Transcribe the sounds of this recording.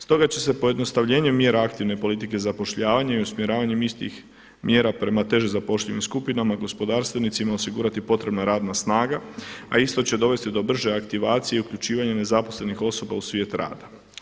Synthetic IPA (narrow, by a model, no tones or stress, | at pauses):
st̪o̞ɡat͡ɕe̞se̞po̞je̞d̪no̞st̪aʋʎe̞ːɲumje̞ːɾaakt̪iʋne̞po̞lit̪ike̞zapoʃʎaːʋaɲaiusmje̞ɾaːʋaɲe̞mist̪ḭx | mje̞ːɾapɾe̞mat̪e̞ʒezapo̞ʃʎenimskupinamaɡo̞spo̞d̪aːɾst̪ʋe̞nit̪simao̞siɡuːɾat̪ipo̞t̪ɾe̞bnaɾaːd̪nasnaːɡaaist̪o̞t͡ɕe̞d̪o̞ʋe̞st̪id̪o̞br̩ʒe̞akt̪iʋaːt̪sije̞iukʎut͡ʃiːʋaɲane̞zapo̞sle̞nixo̞so̞ba̰usʋʲje̞ːt̪ɾa̰ːd̪a